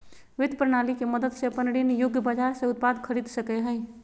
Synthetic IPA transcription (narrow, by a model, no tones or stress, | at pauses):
ʋɪd̪pɾənalikeməd̪əd̪sepənɽinejʊɡjəbad͡ʒaɾsẽʊt̪̚pad̪kʰəɾid̪səkɛɦəj